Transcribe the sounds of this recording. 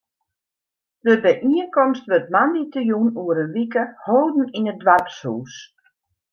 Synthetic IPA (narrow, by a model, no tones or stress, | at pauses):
dəbəʔiənkɔmstʋøtmanditəjunuəɾənʋikəhoːdn̩inədʋarpshuːs